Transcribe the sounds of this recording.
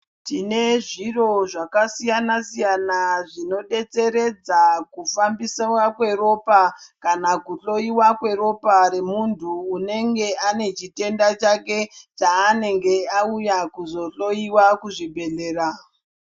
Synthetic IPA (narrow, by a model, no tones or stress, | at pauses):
tine̞ʐiro̞ʐakasijanasijanaʐino̞ɗe̞t͡se̞ɾe̞d͡zakufambisawakwe̞ro̞pakanakuɬo̞iwakwe̞ɾo̞paɾe̞muntʰuːne̞ŋɡe̞ane̞t͡ʃite̞ndat͡ʃake̞t͡ʃaːne̞ŋɡe̞aujakuzo̞ɬo̞iwakuʐibʱe̞ɬe̞ːɾa